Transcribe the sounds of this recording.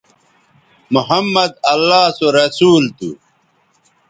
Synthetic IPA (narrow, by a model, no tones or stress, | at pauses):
muhɐmːɐd̪ɐlːaːsoɾɐsuːlt̪ṵ